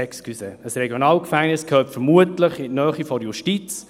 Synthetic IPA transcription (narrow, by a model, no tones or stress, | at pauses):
ɛkskʰyseːəsrɛɡjonɑːlkfæŋnɪskʰœːptfəɾmuətləχɪnœːχifɔɾjuʃtit͡s